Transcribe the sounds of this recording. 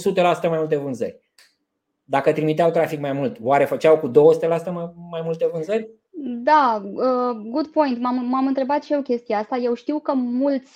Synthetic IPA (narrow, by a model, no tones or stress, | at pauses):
sut̪e̞lasu̥t̪əmajmult̪e̞vɨnzə̰rʲ | d̪akət̪ɾimit̪eawt̪ɾafikmajmult̪oaɾe̞fət͡ʃawkud̪o̞wəsut̪e̞lasu̥t̪əmmajmult̪e̞vɨnzəɾʲ | d̪aəɡud̪po̞jnt̪mammamɨnt̪ɾe̞bat̪ʃio̞kʲe̞st̪ijeast̪aje̞wʃt̪iwkəmult̪sʲ